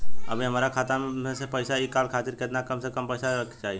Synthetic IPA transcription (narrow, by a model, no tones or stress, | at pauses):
ə̰bʱiɦəmaːɾakʰaːt̪amẽsepəɪsaikaːlkʰaːt̪ɪɾkɪt̪nakəmsekəmpəɪsaɾəkʰt͡ʃaːɦie